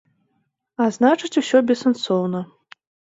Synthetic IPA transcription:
aznat͡ʂɨt͡sʲusʲɔbʲɛsɐnsɔwnɐ

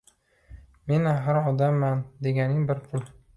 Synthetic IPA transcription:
me̞naɦɪɾɒd̪amːand̪e̞ɡʲanɪŋbɪɾpʰʊl

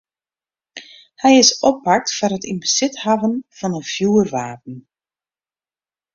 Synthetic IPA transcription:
hɛjɪsɔpak̚tfɔrɦətinbəz̥ɪthavənv̥ɑnənfjuːərʋaːp̚ən̩

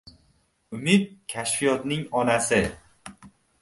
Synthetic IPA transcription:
ʊmɪd̪̚kʲʰaʃfijɒt̪nɪŋɒnasɪ

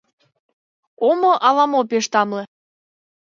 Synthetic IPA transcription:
omoʔɑlɑmopeʃt̪ɑmlĕ

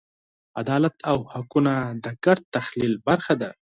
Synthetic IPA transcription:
ad̪ɑlat̪ʰawhakunad̪əkaɾt̪ːaxlilbaɾxad̪a

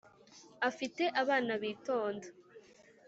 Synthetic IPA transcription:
afite̞ʔaβaːnaβiːto̞ːnda

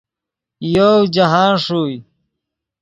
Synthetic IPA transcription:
jod͡ʑaɦãːnʂuːj

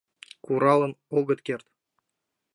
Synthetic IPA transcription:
kuɾɑlˠɤ̆noɡɤ̆t̪kʲert̪

